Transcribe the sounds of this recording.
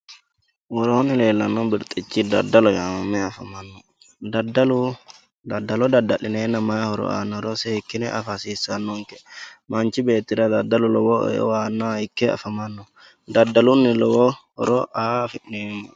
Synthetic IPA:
wɔɾonilɛlːanːɔbiɾt̪ʼit͡ʃːid̪a̰dːalɔjamamɛafamanːɔ | dadalu | dadːalɔd̪adːalɪnɛnamaahɔɾɔ̰a̰nːɔɾɔsɛhikːinɛʔafasisanːɔŋkɛ̥mant͡ʃibeːt̪ːiɾad̪adːalulɔ̰wɔ̰waːnːahikːɛa̰famanːɔ | d̪adːalunːilɔwɔ | ɔɾɔʔafinːimu

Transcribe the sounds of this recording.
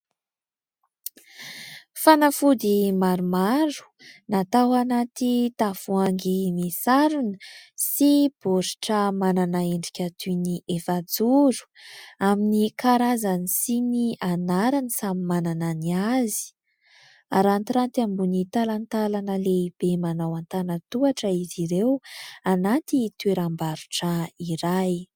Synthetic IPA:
fanafud̪imaɾumaɾu̥nat̪awanat̪it̪afuaŋɡimesaɾunə̥sib̥oɾiʈ͡ʂəmananaeɳɖ͡ʐikʲat̪uniʔefad͡zuɾu̥aminikaɾazanisiniʔanaɾanisamimanananiazi̥ | aɾant̪iɾant̪iambunit̪alant̪alanəleib̥emanawant̪anət̪uaʈ͡ʂəiziɾewanat̪it̪ueɾambaɾuʈ͡ʂəiɾaj

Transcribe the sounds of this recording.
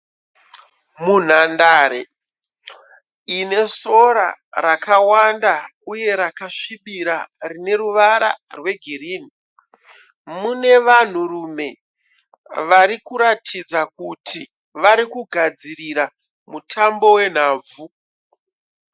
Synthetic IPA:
mun̤andaːɾe | ine̞so̞ɾa̰rakawandauje̞ɾakaʂiɓiɾarine̞ruʋaɾa̰rwe̞ɡʱiɾiːn̤i | mune̞ʋan̤urume̞ | ʋaɾikuɾatid͡zakuti | ʋaɾikuɡʱad͡ziriɾa | mutʰambo̞we̞n̤aːb͡vu

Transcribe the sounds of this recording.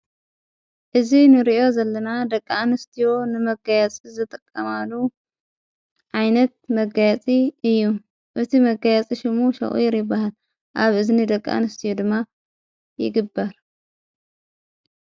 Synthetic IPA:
ʔɨzinɨɾiʔo̞zəlːənad̪əkʼːanɨst̪ʰijonɨməɡajat͡sʼɨzɨt̪ʼəkʼːəmalːu | ʔajnət̪̚məɡajat͡sʼiɨjːu | ʔɨt̪ʰiməɡajat͡sʼiʃɪmuʃɐ̰ʔṵjɪɾibahal | ʔaβɨznid̪əkʼːa̰nɨst̪ʰijod̪ɨmːa | jɪ̰ɡɨbaɾ

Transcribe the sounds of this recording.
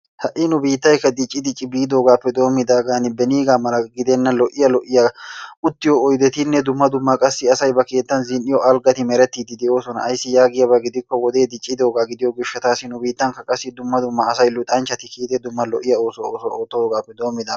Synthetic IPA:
hɐʔɪnʊbiːt̪ːɐjkɐd̪ɪt͡ʃʼːɪd̪ɪt͡ʃʼːɪbiːd̪o̞ːɡaːpːɛd̪o̞ːmːɪd̪aːɡaːnɪbɛniːɡaːmɐlɐɡɪd̪ɛnːɐlɔʔɪjɐlɔʔɪjɐʊt̪ːɪjɔːjd̪ɛt̪ɪnːɛd̪ʊmːɐd̪ʊmːɐkʼɐsːɪɐsɐjbɐke̞ːt̪ːɐnzɪnɪjɔʔɐlɡɐt̪ɪmɛɾɛt̪ːiːd̪ɪd̪ɛo̞ːsɔnɐ̰ʔɐjsːɪjaːɡɪjɐbɐɡɪd̪ɪkːɔwɔd̪e̞ːd̪ɪt͡ʃʼːɪd̪o̞ːɡaːɡɪd̪ɪjɔɡɪʃːɐt̪aːsɪnʊbiːt̪ːɐnkɐkʼɐsːɪd̪ʊmːɐd̪ʊmːɐːsɐjlʊt̪ʼɐnt͡ʃːɐt̪ɪkiːt̪ɛd̪ʊmːɐlɔ̰ʔɪjɐoːsɔoːsɔoːt̪ːɔoːɡaːpːɛd̪o̞ːmːɪd̪aː

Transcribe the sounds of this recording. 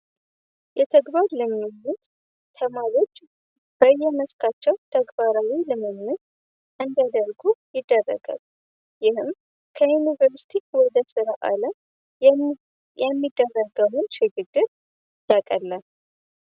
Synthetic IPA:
jɛt̪ʰəɡbaɾləmːilːut̪ | t̪ʰəmaɾo̞t͡ʃː | b̥əjɛməskʰat͡ʃːɛwt̪ʰəɡbaɾawilɨmɨnːɨt̪ | ʔɨnd̪əd̪əɾɡujɪd̪ːərːə̰ɡə̰l | jɪhɨm | kʰəjunivəɾst̪ʰikwɔd̪əsɨɾaʔa̰ləm | ɛmːid̪ːərːəɡəwunʃɪɡɨɡːɨɾ | jakʼəlːə

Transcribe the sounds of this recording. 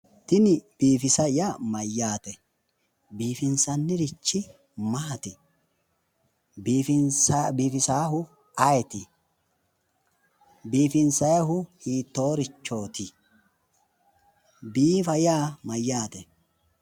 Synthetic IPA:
t̪ɪnɪb̥iːfɪsɐjamɐjːaːt̪ɛ | biːfɪnsɐnːɪɾɪt͡ʃːɪ | maːt̪ɪ | bːfɪnsbiːfɪsaːɦʊ | ɐjɛt̪ɪ | biːfɪnsɐjɐɦʊhiːt̪ːo̞ːɾɪt͡ʃːo̞ːt̪ɪ | biːfɐjaːmɐjːaːt̪ɛ

